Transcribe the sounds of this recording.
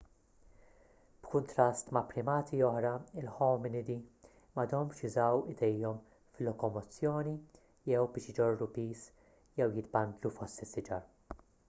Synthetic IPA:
b̥kʊnt̪ɾɐst̪mɐpɾɪmɐːt̪ʰiɔħɾɐɪlħɔːmɪnɪd̪i | mɐd̪ɔmʃɪzɐwɪd̪ɛjːɔm | flɔkɔmɔt͡sːjɔːni | jɛwbɪːʃjɪd͡ʒɔrːupiːs | jɛwjɪt̪bɐnd̪lufɔst̪ɪsːɪd͡ʒɐɾ

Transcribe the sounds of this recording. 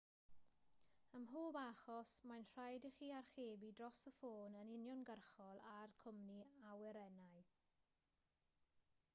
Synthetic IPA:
əmɦoːbaχɔsmajnr̥ajdɪχiːarχeːbidrɔsəfoːnənɪnjɔnɡərχɔlˠarkʰʊmniawɛɾɛnaj

